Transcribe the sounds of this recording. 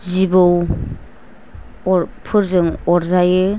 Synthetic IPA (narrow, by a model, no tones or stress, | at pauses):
zibɯw | ɔpʰɯɾzɯŋɔɾzajɯ